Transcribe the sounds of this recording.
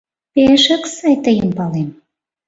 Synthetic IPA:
peʃə̆ksɑjt̪əjəmpɑlem

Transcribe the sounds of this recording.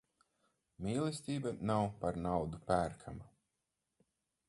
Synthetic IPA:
miːlˠisʲt̪iːbanawpaɾnawd̪upæːɾkʰama

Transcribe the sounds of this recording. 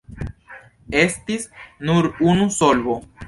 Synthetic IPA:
e̞stisnuɾunuso̞lvo

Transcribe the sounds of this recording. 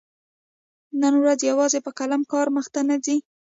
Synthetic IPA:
nanwɾazjawɑzepəkalamkɑɾməxt̪anazi

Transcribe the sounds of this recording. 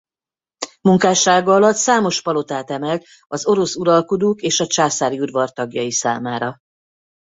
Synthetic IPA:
muŋkaːʃaːɡɒɒlɒt̪saːmo̞ʃpɒlo̞t̪aːt̪ɛmɛlt̪ | ɒzo̞ɾo̞suɾɒlkod̪oːkeːʃɒt͡ʃaːsaːɾiud̪ʋɒrt̪ɒɡjɒ̰jisa̰ːmaːɾɒ

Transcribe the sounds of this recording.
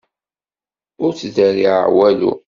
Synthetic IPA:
ʊɾt͡sdæɾiʕa̰wælṵ

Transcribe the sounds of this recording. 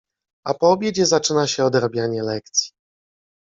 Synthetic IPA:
a̰pɔbʲjed͡ʑɛzat͡ʂɘnaɕɛɔd̪ɾabʲjaɲɛlɛkt̪sʲji̥

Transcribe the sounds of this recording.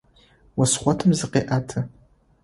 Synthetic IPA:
wɐsχʷɔtʰɨmzɨqeːʔaːtʰɐ

